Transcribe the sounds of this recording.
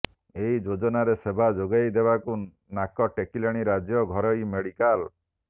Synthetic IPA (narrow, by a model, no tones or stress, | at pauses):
eɦid͡ʒod͡ʒɔnaɾesebʱad͡ʒoɡajd̪ebaku | nakɔʈekilaɽ̃iɾad͡ʒjɔɡʱɔɾɔimeɽikal